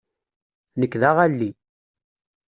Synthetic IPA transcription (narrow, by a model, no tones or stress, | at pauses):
nəkːðaʁælːi